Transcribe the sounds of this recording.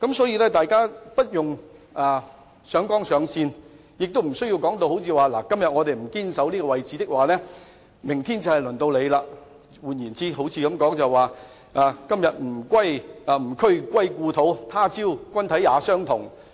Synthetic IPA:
kɐ˨˦˥msɔː˨˥ji˧lɛː˥t̪aː˨jkaː˥pɐ˥t̚jʊ˨ŋ | ʔaː˨˧ | sœː˨˥ŋkɔː˥ŋsœː˨˧ŋsiː˧n | jɪ˨k̚t̪o˥wm̩˨˩sɵ˥ɥji˧wkɔː˨˥ŋt̪o˧who˨˥wt͡sʰiː˧waː˨laː˨˩kɐ˥mjɐ˨t̚ŋɔː˨˧t̪e˨jm̩˨˩kiː˥nsɐ˨˥wliː˥kɔ˧wɐ˨jt͡siː˨˥t̪ɪ˥k̚waː˨˩lɛː˥ | mɪ˨˩ŋt̪ʰiː˥nt͡sɐ˨˧˩hɐ˨jlɵ˨˩nt̪o˧wle˨˧jlaː˧ | wuː˨njiː˨˩nt͡siː˥ɦo˨˥wt͡sʰiː˧kɐ˨˧mkɔː˨˥ŋt͡sɐ˨˩wwaː˨˩ | ʔaː˨˧kɐ˥mjɐ˨t̚m̩˨˩kwɐ˥jaː˨˧m̩˨˩kʰɵ˥ɥkʷɐ˥jkuː˧t̪ʰo˨˥wt̪ʰaː˥t͡siː˥wkʷɐ˥nt̪ʰɐ˨˥jːaː˨˧sœː˥ŋt̪ʰʊ˨˩ŋ

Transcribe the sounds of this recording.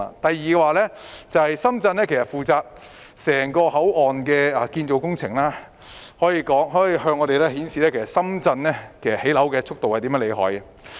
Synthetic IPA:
t̪ɐ˨jːiː˨˧ɛː˧waː˨lɛː˥t͡sɐ˨whɐ˨jsɐ˥mt͡sɐ˧nlɛː˥kʰe˨˩sɐ˨t̚fuː˨t͡saː˧p̚ | sɛː˨˩ŋkɔː˧ɦɐ˨˥wɔː˨nkɛː˧ɐː˨˩kiː˧nt͡so˨˧wkʊ˥ŋt͡sʰɪ˨˩ŋlaː˥ | hɔː˨˥jiː˧kɔː˨˥ŋɦɔː˨˥jiː˧ɦœː˧ŋːɔ˨˧t̪e˨jlɛː˥hiː˨˥nsiː˨lɛː˥kʰsɐ˨˩tsɐ˥mt͡sɐ˧nlɛː˥kʰe˨˩jsɐ˨he˨˥lɐ˨˥wkɛː˧t͡sʰʊ˥k̚t̪o˨whɐ˨jt̪i˨˥mjːle˨˧jɦɔ̰ː˨˥jɐ˨

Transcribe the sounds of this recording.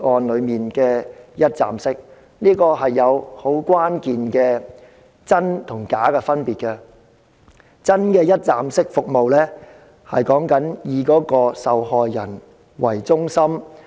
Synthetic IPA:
ɔː˨nlɵ˨˧ɥmiː˨˩nkɛː˧jɐ˥t̚t͡sa̰ː˨msɪ˥k̚ | niː˥kɔː˧ɦɐ˨jːɐ˨˧who˨˥wkʷwaː˥nkiː˨nkɛː˧ | t͡sɐ˥nt̪ʰʊ˨˩ŋkaː˨˥kɛː˧fɐ˥npiː˨t̚kɛ˧ | t͡sɐ˥nkɛː˧jɐ˥t̚t͡saː˨msɪ˥k̚fʊ˨k̚mo˨wlɛː˥ | hɐ̰˨jkɔː˨˥ŋkɐ˨˥njiː˨˧kɔː˨˥kɔː˧sɐ˨whɔː˨jːɐ˨˩n | wɐ˨˩jt͡sʊ˥ŋsɐ˥m

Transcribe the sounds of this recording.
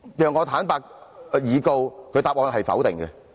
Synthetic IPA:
jœː˨ŋːɔː˨˧t̪ʰaː˨˥npaː˧k̚ːjiː˨˧ko˧wkʰɵ˨˧ɥt̪aː˨p̚ŋɔː˧nɦɐ˨jfɐ̰˨˥wt̪ɪ˨ŋɡɛ̰˧

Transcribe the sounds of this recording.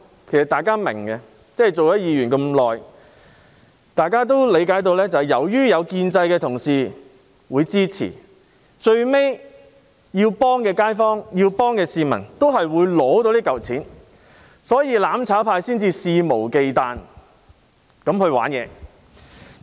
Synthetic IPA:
kʰe˨˩sɐ˨t̪aː˨jkaː˥mɪ̰˨˩ŋkɛ˧ | t͡sɛː˥˨jt͡so˨wjɔ˥˦˥jiː˨˧jɥyː˨˩nkɐ˧mlɔː˨j | t̪aː˨jkaː˥t̪̬o˥wle˨˧jkaː˨˥jt̪̬o˧wlɛː˥t͡sɐ˨whjɐ̰˨˩wjyː˥jɐ˨˧wkiː˧nt͡sɐ˧jkɛː˧t̪ʰʊ˨˩ŋsiː˨ | wuː˨˧jt͡siː˥t͡sʰḭː˨˩ | t͡ʃɵ˧ɥme˥j | jiː˧wpɔː˥ŋkɛː˧kaː˥jfɔː˥ŋjiː˧wpɔː˥ŋkɛː˧siː˧mɐ̰˨˩nt̪o˥wɦɐ˨jwuː˨˧jlɔː˨˥t̪o˧w̪i˥kɐ˨wt͡sʰiː˨˥n | sɔː˨˥jiː˨˧laː˨˥mt͡sʰaː˨˥wpʰaː˧jsiː˥nt͡siː˧siː˧mo˨˩wke˨jt̪aː˨n | kɐ˨˥mhɵ˧ɥwaː˨˥njɛ̰ː˨˧

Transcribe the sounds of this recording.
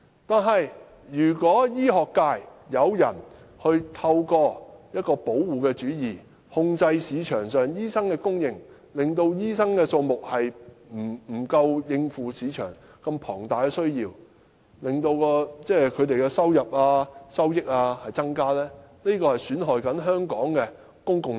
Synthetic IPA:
t̪aː˨nɦɐ˨j | jyː˨˩kʷɔː˨˥jiː˥ɦɔː˨kːaː˧jjɐ˨˧wjɐ̰˨˩n | hɵ˧ɥt̪ʰɐ˧wkɔː˧jɐ˥t̚kɔː˧po˨˥wːuː˨kɛː˧t͡ʃyː˨˥jiː˨˩ | hʊ˧ŋt͡sɐ˧jsiː˨˧t͡ʃʰœː˨˩ŋsœː˨˩ŋjiː˥sɐ˥ŋkɛː˧kʊ˥ŋjɪ˨ŋ | lɪ˨ŋt̪o˧wjiː˥sɐ˥ŋkɛː˧so˧wmʊ˨k̚hɐ˨jm̩˨˩m̩˨˩kɐ˧wjɪ˧ŋfuː˨siː˨˥t͡ʃʰœ̰ː˨˩ŋ | kɐ˧mpʰɔː˨˩ŋt̪aː˨jkɛ˧sɵ˥ɥjiː˧w | lɪ˨˩ŋt̪o˧wkɔː˧t͡sɛː˥kʰɵ˨˧ɥt̪e˨jkɛ˧sɐ˥wjɐ˨p̚aː˧sɐ˥wjɪ˥k̚aː˧hɐ˨jt͡sɐ˥ŋkaː˥lɛː˥ne˥kɔː˧hɐ˨jsyː˨˥nɦɔː˨jkɐ˨˥nɦœː˥ŋkɔː˨˥ŋkɛ˧ | kʊ˥ŋkʊ˨ŋ

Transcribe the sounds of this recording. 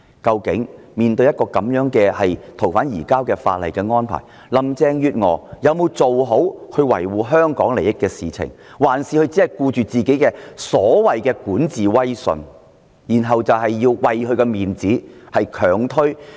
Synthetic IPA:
kɐ˧wkɪ̰˨˥ŋ | miː˨˩nt̪ɵ˧ɥjɐ˥t̚kɔː˧kɐ˨˥mjœː˨˥ŋkɛː˧hɐ˨jt̪ʰo˨˩wfaː˨˥njiː˨˩kaː˥wkɛː˧fa̰ː˧t̚lɐ˨jkɛː˧ŋɔː˥npʰa̰ː˨˩j | lɐ˨mt͡sɛː˧ŋjyː˨˧t̚ŋɔ̰ː˨˧jɐ˨˧wmo˨˧wt͡so˨wɦo˨˥whɵ˧ɥwɐ̰˨˩jwuː˨ɦœː˥ŋkɔː˨˥ŋle˨˩jɪ˥kːɛː˧siː˨t͡sʰɪ̰˨˩ŋ | waː˨˩nsiː˨˧hɵ˧ɥt͡siː˨˥ɐ˨jkuː˧t͡ʃyː˨t͡siː˨˩ke˨˥jkɛː˧sɔː˨˥wɐ˨jkɛː˧kuː˨˥nt͡siː˨wɐ˥jsɵ̰˨˧n | jiː˨˩nɦɐ˨wt͡sɐ˨wɦɐ˨jːiː˧wwɐ˨jhʰɵ˧ɥkɛ˧miː˨nt͡siː˨˥hɐ˨jkʰœː˨˩ŋt̪ʰɵ˥ɥ

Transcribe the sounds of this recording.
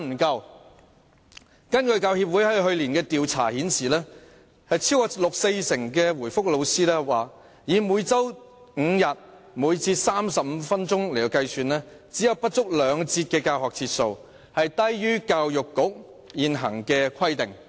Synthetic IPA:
m̩˨˩kɐ˧w | kɐ˥nkɵ˧ɥkaː˧whiː˧p̚wu˨˥jhɛ˥ɦɵ˧ɥliː˨˩nkɛː˧t̪iː˨wt͡sʰa̰ː˨˩hiː˨˥nsiː˨˩lɛː˥ | hɐ˨jt͡sʰi˥wkɔː˧lʊ˨k̚se˧jsɪ˨˩ŋkɛː˧wuː˨˩jfʊ˥k̚lo˨˧wsiː˥lɛː˥waː˨˩ | jiː˨muː˨˧jt͡sɐ˥w | ŋ̩ː˨˧jɐ˨t̚ | muː˨˧jt͡siː˧t̚saː˥msɐ˨p̚m̩˨˧fɐ˥nt͡sʊ˥ŋle˨˩t̪o˨˧wkɐ˧jsyː˨nlɛː˥ | t͡siː˨˥jɐ˨wpɐ˥t̚t͡sʊ˥k̚lœː˨˧ŋt͡siː˧t̚kɛː˧kaː˧wɦɔː˨k̚t͡sʰiː˧t̚so˧w | hɐ˨jt̪ɐ˥jjyː˥kaː˧wjʊ˨kːʊ˨˥k̚ | jiː˨nɦɐ˨˩ŋkɛː˧kʰɐ˥jt̪ɪ˨ŋ

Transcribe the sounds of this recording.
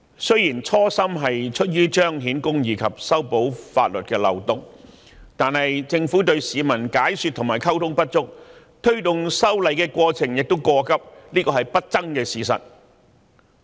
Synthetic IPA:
sɵ˥ɥjiː˨˩nt͡ʃʰɔː˥sɐ˥mɦɐ˨jt͡ʃʰɵ˥t̚jyː˥t͡ʃœː˥ŋɦiː˨˥nkʊ˥ŋjiː˨˧kʰɐ˨p̚sɐ˥wpo˨˥wfa̰ː˧t̚lɵ˨t̚kɛː˧lɐ̰˨wt̪ʊ˨ŋ | t̪aː˨nɦɐ˨jt͡sɪ˧ŋfu˨˥t̪ɵ˧ɥsiː˨˧mɐ˨˩nkaː˨˥jsyː˨t̪ʰʊ˨˩ŋmaː˨˩jkʰɐ˥wt̪ʰʊ˥ŋpɐ˥t̚t͡sʊ˥k̚ | t̪ʰɵ˥ɥt̪ʊ˨ŋsɐ˥wlɐ˨jkɛː˧kwɔː˧t͡sʰɪ˨˩ŋjɪ˨k̚t̪o˥wkɔː˧kɐ˥p̚liː˥kɔː˧hɐ˨jpɐ˥t̚t͡sɐ˥ŋkɛː˧siː˨˧sɐ̰˨t̚

